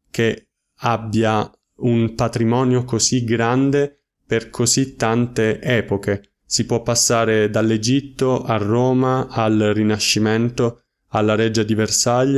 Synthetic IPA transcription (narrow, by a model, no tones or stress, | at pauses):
ke | abːja | unpat̪ɾimɔːnjokoziɡɾand̪e | perkʰozit̪ːant̪eʔɛːpoke | sipwɔpːasːaːɾed̪alːed͡ʒit̪ːoʔarːoːmaalrinaʃːimɛnt̪o | alːaɾɛd͡ʒad̪iversaʎː